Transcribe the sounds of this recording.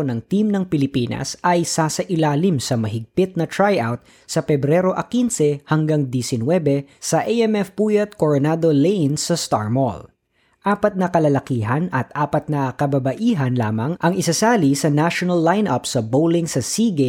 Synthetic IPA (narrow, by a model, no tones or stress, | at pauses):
nɐŋt̪imnɐŋpɪlɪpiːnɐ̰sʔɐjsaːsɐʔɪlaːlɪmsɐmɐɦɪɡ̚pɪt̪̚nɐt̪ɹajʔa̰wt̪̚ | sɐpɛbɾɛɾo̞ʔɐkinsɛhɐŋɡaŋd̪isɪnwɛbɛsɐʔejɛmɛfpuːjɐt̪̚koɹonad̪olejnsɐst̪a̰ɹmo̰l | ʔaːpɐt̪̚nɐkɐlɐlɐkiːɦɐnɐt̪̚ʔaːpɐt̪̚nɐkɐbɐbɐʔiːɦɐnla̰ːmɐŋʔɐŋɪsɐsaːlisɐnaʃonɐlːajnʔɐpsɐbowlɪŋsɐsiɡe